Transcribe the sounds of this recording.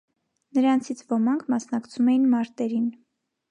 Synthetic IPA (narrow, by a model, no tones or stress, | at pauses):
nəɾɑnt͡sʰit͡sʰvɔmɑŋkʰmɑsnɑkt͡sʰumɛjinmɑɾt̪ɛɾin